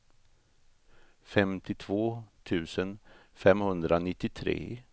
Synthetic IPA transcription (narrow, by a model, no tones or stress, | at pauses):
fɛmt̪ɪt̪ʰvoːt̪ʰʉ̟ːsənfɛmhɵnd̪ɾanɪt̪ːɪt̪ʰɾḛː